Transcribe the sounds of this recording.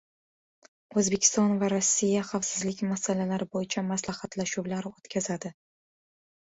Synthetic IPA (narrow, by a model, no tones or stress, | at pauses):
ɵzbe̞kʲʰɪ̥st̪ɒnvaɾosːijaχɑfsɪzlɪkʲmasalalaɾɪbojɪt͡ʃʰamaslahɑt̪laʃuwlaɾɪot̪kʲʰazad̪ɪ